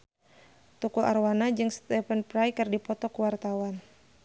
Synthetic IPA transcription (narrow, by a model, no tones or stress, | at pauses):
t̪ukulʔa̰rwanad͡ʒɨŋst̪ɛfənpɾajkɨrdipɔt̪ɔkuwart̪awan